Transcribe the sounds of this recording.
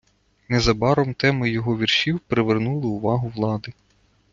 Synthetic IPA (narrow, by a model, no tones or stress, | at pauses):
nɛzɐbɑɾɔmt̪ɛmɪjɔɦɔʋʲirʃiwpɾeʋernulˠɪʊʋɑɦʊʋlˠɑd̪ɪ